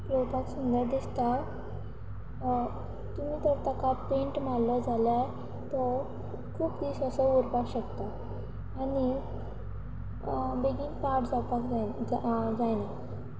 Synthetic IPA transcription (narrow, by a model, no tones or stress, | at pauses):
pɾopaksund̪əɾd̪ist̪a | t̪umiːt̪ɔɾt̪akapẽɳʈmaɽlɔd͡zʱala | t̪ɔ | kʰuːpd̪isasɔuɾpakɕəkt̪aː | ni | beɡiːnpaʈd͡zapak | d͡zajna